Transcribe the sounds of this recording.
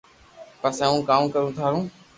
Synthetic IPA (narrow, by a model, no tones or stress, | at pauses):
pəsẽːũːkaːmkəɾũːt̪ʰaːɾũː